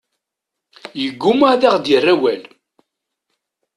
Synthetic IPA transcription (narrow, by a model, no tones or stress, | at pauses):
jəɡːʊmaðiʁd̪jərːæwæl